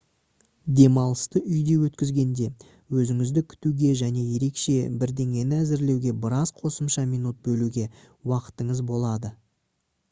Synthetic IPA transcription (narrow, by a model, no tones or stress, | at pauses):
d̪e̞mɑlˠəst̪əʔʏjd̪e̞wɵt̪kʲɪzɡʲe̞nd̪e̞ | wɵzɪŋɪzd̪ɪkʲʰʏ̥t̪uɡʲe̞ʒæne̞je̞ɾe̞kʃe̞bɪɾd̪e̞ŋʲe̞nɪæzɪɾle̞wɡʲe̞bəɾɑzqʰo̞səmʃɑmijnut̪̚bɵluɡʲe̞ | wɑqə̥t̪əɴəzbo̞lˠɑd̪ə